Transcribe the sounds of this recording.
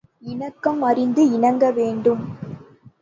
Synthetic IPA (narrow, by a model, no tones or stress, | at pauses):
ɪnɐkːɐmɐrɪnd̪ɯɪɳɐŋɡɐʋeːɳɖɯm